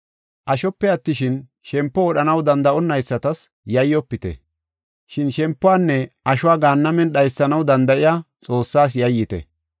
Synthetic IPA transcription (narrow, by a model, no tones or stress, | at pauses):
ʔɐʃɔpːɛɐt̪ːɪʃɪn | ʃɛmpːɔwɔɗɐnɐwd̪ɐnd̪ɐʔɔnːɐjsːɐt̪ɐs | jɐjːɔpːɪt̪ɛ̰ | ʃɪnʃɛmpːʊaːnːɛʔɐʃʊwaːɡaːnːɐmɛnɗɐjsːɐnɐwd̪ɐnd̪ɐʔɪjaːt͡sʼo̞ːsːaːs̬jɐjːɪt̪ɛ̰